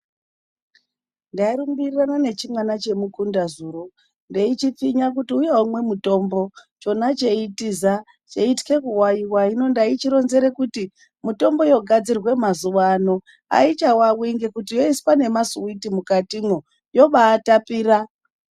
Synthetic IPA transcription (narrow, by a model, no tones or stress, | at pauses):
ndairumbiriranane̞t͡ʃimwanat͡ʃe̞mukundazuːɾo | ndeit͡ʃip͡fiɲak̬utiujeumwe̞muto̞mbo̞t͡ʃo̞nat͡ʃe̞itiza | t͡ʃeitke̞kuwajiwaino̞ndait͡ʃiɾo̞nze̞ɾe̞kuti | muto̞mbo̞jo̞ɡʱad͡zirwe̞mazuʋano̞ | a̰it͡ʃawawiiŋɡekutijo̞iswane̞masuwitimukatimwo | jo̞ɓaːtapiːra